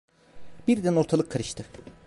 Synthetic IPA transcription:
biɾd̪æno̞ɾt̪ʰalˠɯkʰːaɾɯʃt̪ʰɯ

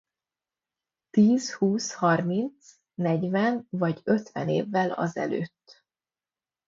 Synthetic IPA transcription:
t̪iːzhuːshɒrmint̪s | nɛɟvɛnvɒɟøt̪ʋɛ̰nḛːvːɛlɒ̰zɛ̰lø̰ːt̪ː

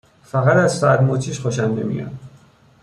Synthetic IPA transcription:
fæɣæt̪æzsæɾmot͡ʃʰiːʃxoʃænd̪emḭjɒ̰n

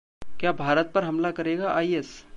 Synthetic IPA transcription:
kjaːbʱaːɾət̪̚pɐɾɦɐmlakɐɾeːɡaʔaːiɛs

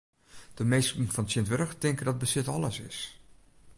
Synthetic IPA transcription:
d̥əmejstn̩fɔnsjɪntʋørəxtɪŋkədɔt̚bəsɪtɔlˠəsɪ̰s

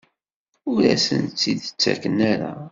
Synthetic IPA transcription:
ʊɾæsənt͡s̪ːid̪ət͡sːæ̰kənːæɾa̰

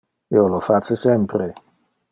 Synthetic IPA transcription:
iolofasesɛmpɾe

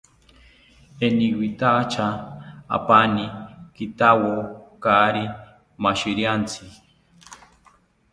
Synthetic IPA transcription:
eniɡwit̪at͡ʃʰaa̰panikit̪awokaɾi | maʃiɾjant͡sʰi

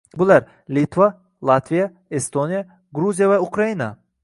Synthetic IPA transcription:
bulaɾ | lit̪va | lˠat̪vija | est̪onija | ɡɾuzijavaukʰɾaina

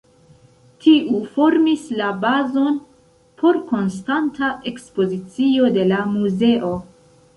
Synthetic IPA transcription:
tʰiʔufo̞ɾmislabazo̞n | pʰo̞ɾko̞nstantaʔe̞kspo̞zit͡sio̞de̞lamuze̞ʔo̞

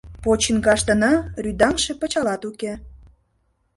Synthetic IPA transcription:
pot͡ɕənkɑʃt̪ə̆nɑryd̪ɑŋʃĕpə̆t͡ɕɑlɑt̪uke

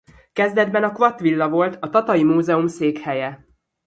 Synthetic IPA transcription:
kɛzd̪ɛd̪bɛnɒkʋɒt̪ʋilːɒvo̞lt̪ɒt̪ɒt̪ɒjimuːzɛumseːkhɛjɛ

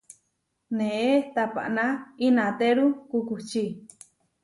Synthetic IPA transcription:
nẽʔet̪apa̰ʔnãinãt̪eɾukukut͡ʃi

